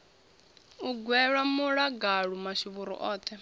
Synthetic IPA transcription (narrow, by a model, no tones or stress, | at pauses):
uɡwɛɺwamuɺaɡaɺumaʃiβuɾṵʔɔːt̪ʰɛ